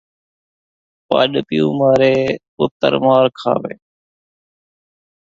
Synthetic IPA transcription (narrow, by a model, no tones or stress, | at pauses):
pa̰ːɗpɪjũːmaːɾeː | ʊt̪ə̰ɾmaːɾkʰa̰ːʋḛː